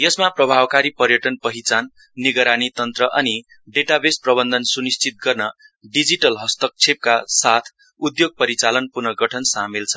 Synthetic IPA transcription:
jʌsmaprʌbʱabkaɾipʌrjʌʈʌnpʌɦit͡sanː | iɡʌɾanit̪ʌnt̪rʌʔʌni | ɖeʈabesprʌbʌnd̪ʌnsunist͡sʰit̪̚ɡʌrnʌ | ɖid͡ziʈʌlɦʌst̪ʌk̚t͡sʰep̚kasat̪ʰ | ud̪joɡ̚pʌɾit͡salʌnpurnʌɡʌʈʰʌnsamelt͡sʰʌ̥

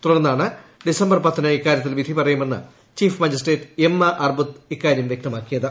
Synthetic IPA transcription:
t̪uɽɐnːaːɳɨɖisɐmbɐrpɐt̪ʰːɐnɐikːaːɾjɐt̪ːilʋid̪ʱipɐrɐjume̞nːɨ̰ | t͡ɕiːfmɐd͡ʑɐsʈeːtemːɐʔɐrbut̪ikːaːɾjɐmʋjek̚t̪ɐmaːkːijɐðɨ

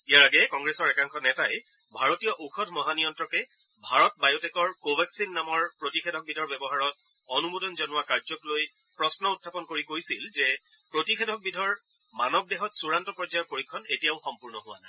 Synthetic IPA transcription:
ijaɹaɡɛkɔŋɡɹesɔɹɛkaŋxɔnɛtajɛ | bʱaɹotijɔʔuxʰɔdʱmɔɦanijɔntɹɔkɛ | bʱaɹɔt̚bajotɛkɔɹkobʱaksinːamɔɹpɹotixʰedʱɔk̚bidʱɔɹbɛbɔɦaɹɔt̚ | ɔnumodɔnzɔnʊwakaɹzɔkloj | pɹɔsnɔutʰːapɔnkoɹikojsilzɛ | pɹotixʰedʱɔk̚bidʱɔɹ | manɔb̚dɛɦɔtsuɹantɔpɹɔd͡ʒajɔpoɹikʰːɔnetijaʊxɔmpuɹnɔɦʊwa̰naj

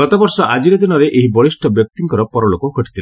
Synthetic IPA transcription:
ɡɔt̪ɔbɔɾsɔʔad͡ʒiɾed̪inɔɾeʔeɦibɔɭisʈʰɔbjɔk̚t̪iŋkɔɾɔpɔɾɔɭokɔɡʱɔʈit̪ʰil

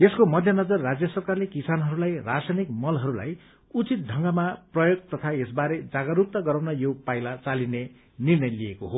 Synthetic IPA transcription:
eskomʌd̪ʱjʌnʌd͡zʌrːad͡zjʌsʌrkarlekisanɦʌɾulajrasajnikmʌlɦʌɾula̰j | ut͡sit̪̚dʱʌŋɡamaprʌjoɡ̚t̪ʌt̪ʰaesbaɾed͡zaɡʌrup̚t̪ʌɡʌɾawnʌjopajlat͡saline | nirnʌjlijekoɦo

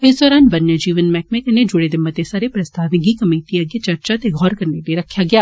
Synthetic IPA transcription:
ɪsd̪ɔːɾaːnʋɐnjəd͡ʒiːʋənmɛːk̚mẽkɐned͡ʒʊɽed̪ɪmːət̪esaːɾepɾɐst̪aːʋɪ̃ŋɡikɐmeːʈiəɡet͡ʃɐɾt͡ʃat̪eɡʱɔːɾkɐɾnediɾɐkʰːjaːɡɪjaː

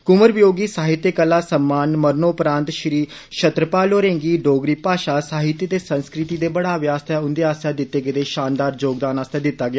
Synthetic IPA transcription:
kʊməɾʋɪjoːɡiːsaːɦɪt̪ːjekəlːaːsəmːaːnməɾnoːpɾãːnt̪ʃɾiː | ʃət̪ɾəpaːloːɾẽːŋɡiːɖoːɡɾiːpaːʃaːsaːɦɪt̪jət̪eːsənskɾɪt̪iːd̪eːbəɽaːʋjaːst̪ʰaːʊnd̪eaːst̪ʰaːd̪ɪt̪ːeːɡɪt̪eːʃaːnd̪aːɾd͡ʒoːɡd̪aːnaːst̪ẽːd̪ɪt̪ːaːɡɪjaː

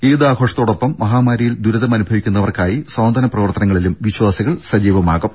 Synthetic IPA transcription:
eːðaːɡʱo̞ːʂɐt̪ːoːɽopːɐmːɐɦaːmaːɾijild̪uɾuðɐmɐnubʱɐʋikʲːunːɐʋɐrkaːjisɐːnd̪ʱɐnɐprɐʋɐrt̪ɐnɐŋːɐɭilumʋiɕwaːsiɣɐɭsɐd͡ʑiːʋɐmaːɣum

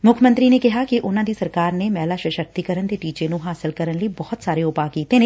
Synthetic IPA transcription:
mʊkʰmə̃nt̪ɾinekɪɦakiʔʊnãːd̪iːsɐɾkaːɾnemɛːlaːʃəʃəɾ̚t̪ikəɾənd̪eːʈiːt͡ʃenũɦaːsɪlkəɾənləibɔːʊt̪saːɾeʊpaːkiːt̪enẽ

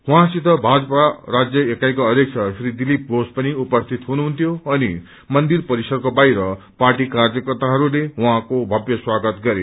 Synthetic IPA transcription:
uɦãsit̪ʌbʱad͡zʌparad͡zjʌekajkoʌd̪jek̚t͡sʰʌpʰɾid̪ilip̚bospʌniupʌst̪ʰit̪ɦunuɦunt̪ʰjoʌni | mʌnd̪irpʌɾisʌrkobajɾʌ | paʈikard͡zʌkʌrt̪aɦʌɾulewũɦãkobʱʌbjʌswaɡʌt̪ɡʌɾe

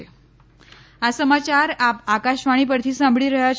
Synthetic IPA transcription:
e | asəmat͡ɕaɾapakaɕʋaɽ̃iːp̬əɾt̪ʰiːsãmbʱɭiːɾəɦja

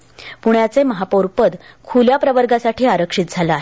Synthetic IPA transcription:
puɳjat͡seməɦapoɾpəd̪kʰuljapɾəʋəɾɡasaʈiːaɾəkʂiːt̪̚d͡zʱalaaɦe

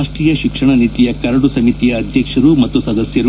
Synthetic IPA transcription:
ʂʈɾiːjɐʃikʂɐɳɐnit̪ijɐkɐɾɐɽusɐmit̪ijɐːd̪ʱjɐkʂɐɾumɐt̪ːusɐd̪ɐsjɐɾu

